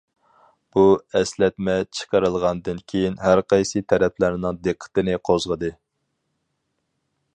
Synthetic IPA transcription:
b̥uɛslɛt̪̚mɛt͡ʃʰə̥qəɾɨlˠʁɑnd̪ɨnkʲʰejinɦæɾqʰɑjsɨt̪ʰɛɾɛpʰlæɾnɨŋd̪eqʰːə̥t̪ɨnɪqʰozʁəd̪ɨ

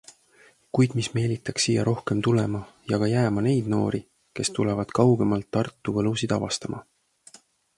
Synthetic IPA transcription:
kujd̪̥misme̞ːlit̪ːˑɑksːiːjːɑɾʔo̞hke̞mt̪ulemɑjɑɡ̥ɑjæːmɑne̞jd̪̥no̞̰ːɾi | ke̞st̪ulevɑd̪̥kɑwɡ̥emɑlt̪ːɑrt̪ːˑuvɤlusid̪̥ɑvɑst̪ɑmʔɑ̰

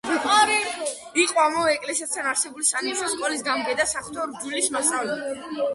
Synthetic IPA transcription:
iqʼɔamɔvɛɛkʼlɛsiast̪ʰanaɾsɛbulisaniʃɔskʼɔlisɡamɡɛd̪asaχt̪ʰɔɾd͡ʒilismast̪ʼavlɛb

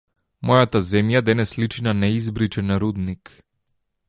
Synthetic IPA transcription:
mɔjat̪azɛmjad̪ɛnɛslit͡ʃinanɛizbɾit͡ʃɛnɾud̪nik

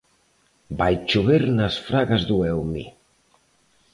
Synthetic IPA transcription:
bajt͡ʃuβeɾnasfɾaɣazðuɛwmḭ

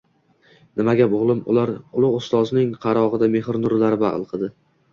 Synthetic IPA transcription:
nɪmaɡʲabʊʁlˠɪmʊ̰laɾʊlˠʊʁʊst̪ɒznɪŋqʰɑɾɒʁɨd̪ame̞hɾnʊɾlaɾɪba̰ʁlˠqʰɨd̪ɪ

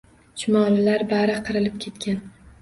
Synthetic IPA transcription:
t͡ʃʰʊmɒllaɾbaɾɪqʰɨɾɪlɪp̚kʲʰe̞t̪kʲʰan

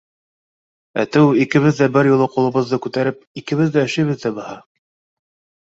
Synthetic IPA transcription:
æ̰t̪ɘwikɘ̆βɘðːæbɘɾjulˠɤqulˠɤ̆βɤ̆ðːɤkʉt̪æɾɘp̚ikɘ̆βɘðːæɘ̆ʃɘ̆jβɘ̆ðːæbɤ̆hɑ

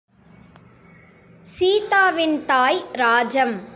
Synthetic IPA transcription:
siːt̪aːʋɪnt̪aːjɾaːd͡ʒɐm

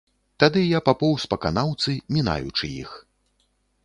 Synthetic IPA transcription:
t̪ad̪ɨjapapɔwspɐka̰nawt̪sɨmʲina̰jṵt͡ʂɨjḭx

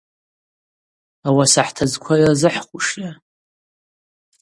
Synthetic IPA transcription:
awasaħtʰazkʷʰajzɨħχʷuʂja

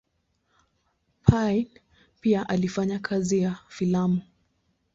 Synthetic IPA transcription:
pʰajn | piaʔalifaɲakʰazijafilamu

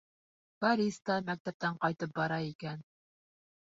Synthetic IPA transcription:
bɑɾist̪ɑmæk̚t̪æp̚t̪æɴqɑjt̪ɤp̚bɑɾɑikæn

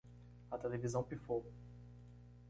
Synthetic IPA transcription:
at̪elevizɐ̃w̃pifo

